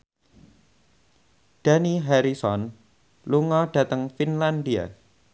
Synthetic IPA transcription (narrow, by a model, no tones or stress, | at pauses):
d̥a̤niɦaɾisɔn | luŋɔɖ̥a̤t̪əŋfinland̪ia̰